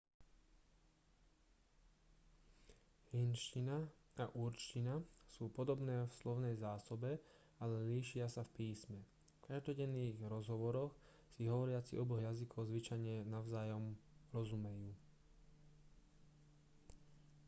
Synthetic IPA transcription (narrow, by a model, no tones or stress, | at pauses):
hinʃcinaaʔuɾt͡ʃcinasuːpɔd̪ɔbnɛːfslɔʊnɛjzaːsɔbɛ | alɛliːʃɪasafpiːsmɛ | fkaʒd̪ɔɟɛnːiːɣɾɔzɦɔʋɔɾɔx | siɦɔʋɔɾɪat͡sḭʔɔbɔɣjazikʰɔʊzʋit͡ʃajɲɛnaʊzaːjɔmɾɔzumɛjuː